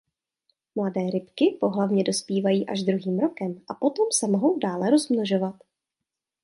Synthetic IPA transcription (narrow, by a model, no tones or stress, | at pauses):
mladɛːɾɪpkɪpo̞ɦlavɲɛdo̞spiːvajiːʔaʒd̪ɾuɦiːmɾo̞kɛmʔapo̞t̪o̞msɛmoɦo̞wdaːlɛɾo̞zmnoʒo̞vat̪